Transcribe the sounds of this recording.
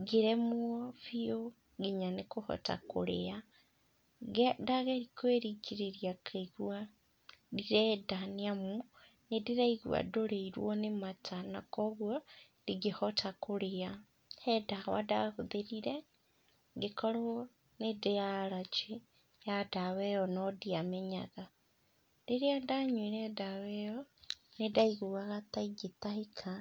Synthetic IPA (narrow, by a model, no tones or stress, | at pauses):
ɡiɾemuofio | ɡiɲanekuhɔ̰ta̰kṵɾea | ɡdaɣeɾikweɾiɡiɾeɾijakʰaiɣwa | diɾɛdaneamu | nediɾaiɣw̰a̰doɾeiɾwonematʰanakoɣwo | diɡihotʰakoɾea | hɛdawa̰dahuðeɾiɾe | ŋɡekoɾ | nedejaɾat͡ʃe | jadawɛɔnɔdiamɛɲa̰ɣa | deɾeadaɲwiɾɛdawɛonedaiɣuwaɣat̪aiɡitaikʰa